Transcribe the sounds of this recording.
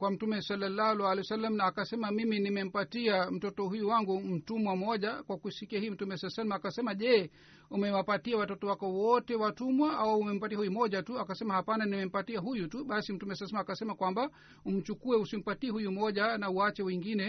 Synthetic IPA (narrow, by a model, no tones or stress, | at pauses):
kwam̩tumɛsalːalːalualɛsalːamnaːkasɛmamiminimɛm̩patiam̩tɔtɔhujuwaŋɡum̩tumwamɔʄakwakusikiahiːm̩tumɛsalsalamakasɛmaʄɛː | umɛwapatiawatɔtɔwakɔwɔtɛwatumwaʔawaumɛm̩patiahujumɔʄatuakasɛmahapananimɛm̩patiaɦujutuɓasim̩tumɛslsmakasɛmakwamba | um̩t͡ʃukuɛusim̩patiɛhujumɔʄanauat͡ʃɛwɛŋɡinɛ